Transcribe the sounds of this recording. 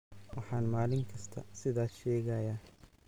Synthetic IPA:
wɑħɑːnmaːlɪŋkʰɐst̪ʰɐ̰sɪðaːʃɛːɣɐjɐ

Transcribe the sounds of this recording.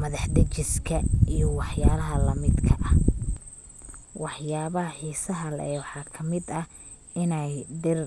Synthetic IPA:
mɐðɑħd̪ɐt͡ʃɪskʰɐijɞwɑħjaːlɐɦɐlɐmɪd̪kʰɐʔɐ | wɑħjaːβɐɦɐħiːsɐɦɐlɛːwɑħɑːkʰɐmɪd̪ɐ | ɪnɛjɖɪr

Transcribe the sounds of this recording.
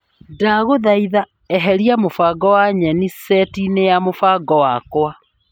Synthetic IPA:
daɣoðaiða | ɛɦɛɾiamofaɡɔwaɲɛnisɛtinejamofaɡɔwakwa

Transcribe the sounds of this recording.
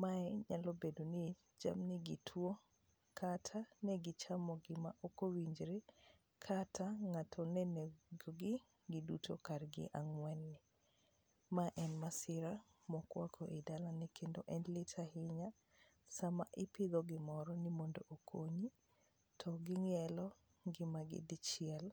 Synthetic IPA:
maɛɲalɔbedoni | d͡ʒa̰mniɡitʰwo | kʰatʰanɛɡɪt͡ʃamɔɡɪmaʔokowiɲd͡ʒɾe | kʰatʰaŋatʰɔnɛnɛɡoɡɪ | ɡɪdutʰokaɾɡɪ̰ʔaŋwɛnːɪ | maʔɛnmasɪɾa | mɔkwakʰoʔedalanikʰendoʔɛnlɪtʰahɪɲa | samaʔɪpɪd̪ɔɡɪmɔɾɔnɪmondo̰ʔokʰoɲi | tʰɔɡɪŋɛlɔ | ɡɪmaɡɪ̰dɪt͡ʃɪɛl

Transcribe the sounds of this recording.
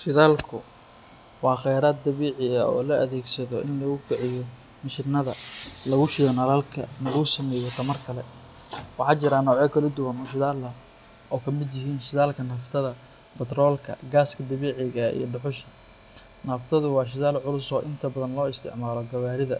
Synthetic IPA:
ʃɪðaːlkʰʊ | wɑːχɛjɾaːd̪̚d̪ɐβɛːʕɪɐɔ̰ːlɐʔɐðɛːɡsɐðɔʔɪnlɐɣʊkɪʕɪjɔ | mɐʃɪrnɐðɐlɐɣʊʃɪjɔnɐlaːlkʰɐnɐlɐɣʊsɐmɛːjɔt̪ʰɐmɐrkʰɐlɛ | wɑħɑːt͡ʃɪɾaːnɔːʕjɐkʰɐlɐd̪ʊwɐnɔʃɪðaːlɐ | ɔːkʰɐmɪd̪jɪɦiːnʃɪðaːlkʰɐnɐft̪ʰɐðɐ | bɐt̪rɔːlkʰɐ̰ɡaːskʰɐd̪ɐβɛːʕɪɣɐḭjɔɖʊħʊʃɐ | nɐft̪ʰɐðʊwɑːʃ̬ɪðaːlʕʊlʊsɔːʔɪnt̪ʰɐbɐðɐnlɔːɪst̪ʰɪ̰ʕmaːlɔɡɐβaːɾɪðɐ

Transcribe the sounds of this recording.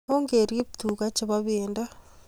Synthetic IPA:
oŋɡeɾjeki̥tuːkat͡ʃeβaβeːnda

